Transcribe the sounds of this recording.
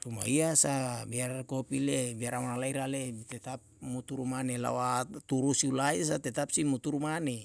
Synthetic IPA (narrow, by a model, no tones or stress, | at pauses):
t̪uma̰iasabiarkopilebiaɾamanalaiɾaleit̪ɛt̪ap̚mut̪uɾumanela̰wat̪uɾusiulais̬at̪ɛt̪ap̚simut̪uɾumane